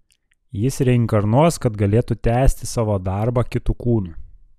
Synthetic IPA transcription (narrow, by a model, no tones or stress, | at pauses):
jɪsɾʲɛɪŋkɐɾnuɔskɐt̪ɡɐlʲeːt̪ʊt̪ʲæːsʲt̪ʲɪsɑːʋoːd̪ɑˑɾbɑkʲɪt̪ukuːnʲuːˑ